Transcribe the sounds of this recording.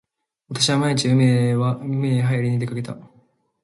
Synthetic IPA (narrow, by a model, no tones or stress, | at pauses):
βat̪ḁɕ̬iβamaiɲit͡ɕiɯmeaɯmeɦajaɾʲiɲ̟id̪e̞kake̞t̪a̰